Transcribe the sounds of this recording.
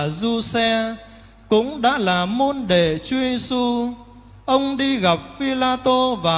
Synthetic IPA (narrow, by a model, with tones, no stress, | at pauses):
zu˧sɛ˧ | kʊ̰˧˥ŋ͡mɗa̰ː˧˥laː˨˩mo˧nɗe˨t͡ɕɔ˧ze˧su˧ | ʔə˧wŋ͡mɗi˧ɣa˨˩p̚fi˧laː˧t̪o˧vaː˨˩